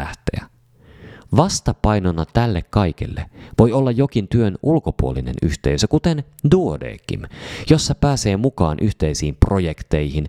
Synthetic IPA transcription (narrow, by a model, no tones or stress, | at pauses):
æht̪ḛæ̰ | ʋɑst̪ɑpɑjnonːɑt̪ælːekkɑjk̟ḛlːḛʋo̞jo̞lːɑjjo̞kint̪yø̞nʔulko̞puoline̞̰nyht̪e̞ysøkut̪en | duodḛːkːḭmjo̞sːɑpæːse̞ːmukɑːnʔyht̪e̞jsiːmpro̞je̞kt̪e̞jɦin